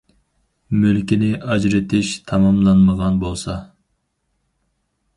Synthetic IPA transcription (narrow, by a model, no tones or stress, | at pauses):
mølkʲinɪʔɑd͡ʒɾɪt̪ʰɪʃt̪ʰɑmɑmlˠɑnməʁɑnbolˠsɑ